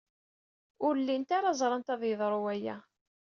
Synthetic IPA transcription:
ʊɾlːint̪aɾazˤɾˤɑnt̪æðjəðˤɾˤuæjæ̰

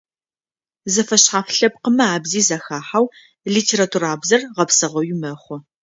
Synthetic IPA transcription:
zɐfɐɕħaːfɬɐp̚qəmɐaːbziːzaxaːħaw | ɮiːtʰeːɾatʰuɾaːbzɐrʁɐpsɐʁɐwɪmɐχʷʊ

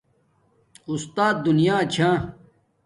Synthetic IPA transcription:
ust̪aːt̪̚d̪unijaːt͡ɕʰãː

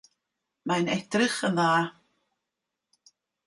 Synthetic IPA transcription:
manɛd̥rɪχənðaː

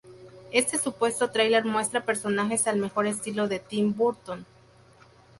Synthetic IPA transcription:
e̞st̪e̞supwe̞st̪o̞t̪ɾajle̞ɾmwe̞st̪ɾape̞ɾso̞naxe̞salme̞xo̞ɾe̞s̬t̪ilo̞ðe̞t̪imbuɾt̪on

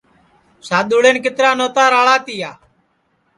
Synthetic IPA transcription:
saːɗ̪ʊːɽeːnkɪt̪ɾaːnoːt̪aːɾaːɭaːt̪ɪːjaː

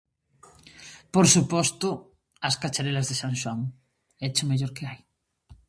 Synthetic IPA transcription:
poɾsupɔst̪ʊ | ɐskat͡ʃaɾelɐzðesaŋʃwaŋ | et͡ʃʊmeʎoɾkeaj

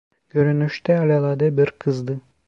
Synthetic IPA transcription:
ɡøɾynyʃt̪ɛɑlʲɑlˠɑd̪ɯbiɾqʰɯzd̪ɯ

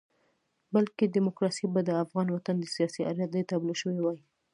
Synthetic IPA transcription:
balkedɪmokɾɑsibad̪əafɣɑnwat̪and̪əsijɑsiʔa̰ɾjat̪̚d̪ajt̪ablʃəwewɑji

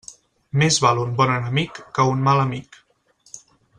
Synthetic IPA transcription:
mezβalumbɔnənəmikːəunmaləmik

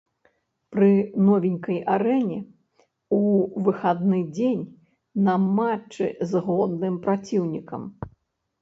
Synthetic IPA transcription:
pɾɨnɔvʲinʲkɐjʔaɾɛnʲɛ | uvɨxad̪nɨd͡zʲenʲ | nɐmat͡ʂːɨ̰zɣɔd̪̚nɨmpɾat͡sʲiwnʲikɐ̰m

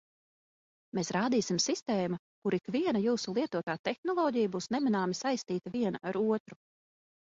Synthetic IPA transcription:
meːsɾaːd̪iːsimsist̪ɛːma | kuɾikviɛnɐjuːsulˠiɛt̪uɔt̪aːt̪ɛxnɔlˠɔːɟijbuːsnɛminaːmisajst̪iːt̪ɐviɛnaʔaɾuɔt̪ɾu

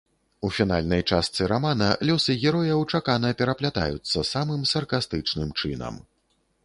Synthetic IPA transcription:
ufʲin̪alʲnɐjt͡ʂast̪sɨɾamanɐlʲɔsɨɣʲɛɾɔjɐwt͡ʂakanɐpʲɛɾɐplʲat̪a̰jut̪sːɐsamɨmsɐrkast̪ɨt͡ʂnɨmt͡ʂɨnɐ̰m

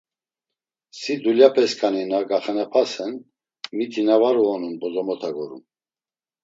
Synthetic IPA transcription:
sid̪uljapʰɛskʰaninaɡaχɛnɛpʰasɛn | mit̪ʰinavaɾuɔnunbɔzɔmɔt̪ʰaɡɔɾṵm

